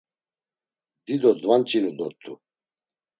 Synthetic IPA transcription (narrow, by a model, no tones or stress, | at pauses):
d̪id̪ɔd̪vant͡ʃʼinud̪ɔt̪ʰʼṵ